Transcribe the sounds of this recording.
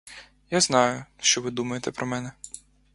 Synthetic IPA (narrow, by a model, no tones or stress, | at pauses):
jaznɑjʊʃt͡ʃɔʋɪd̪umɐjet̪ɛpɾɔmɛnɛ